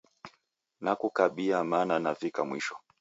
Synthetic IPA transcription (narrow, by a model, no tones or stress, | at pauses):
nakukaɓiamaːnanavikamwḭʃɔ̥